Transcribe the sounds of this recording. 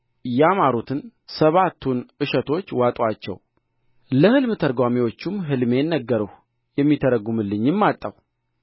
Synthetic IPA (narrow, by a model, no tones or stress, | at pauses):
jamaɾut̪ʰɨnsəβat̪ʰːunʔɨʃət̪ʰo̞t͡ʃːwat̪ʼwat͡ʃːɛ̰w | ləhɨlmɨt̪ʰəɾɡʷwamiwo̞t͡ʃːumɦɨlme̞nːəɡːəɾəh | jɛmːit̪ʰəɾəɡumɨlːɨɲːɪmːat̪ʼːəw